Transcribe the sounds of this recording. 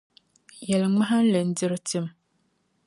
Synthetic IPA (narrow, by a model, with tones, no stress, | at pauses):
jɛ˨lŋ͡mã˦ɦa˦n̩˦lɛ˨n̩˦dɪ˦ɾti˦m˨